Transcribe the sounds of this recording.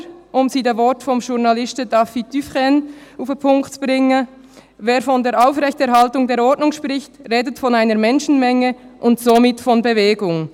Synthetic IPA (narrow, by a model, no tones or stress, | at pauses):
ʔʊmziːdeːvɔtfɔmʃʊnɑlɪstədɑfid̥yfʁɛnafpʰʊŋktb̥ʁɪŋə | veːfɔndeːɾʔaʊfʁɛçtɛɐɾhɑltʊŋdeːɾɔɹdnʊŋʃpʁɪçtʁeːdətfɔnaɪnəɾmɛnʃn̩mɛŋəʔʊntsomɪtfɔnbeveːɡʊŋ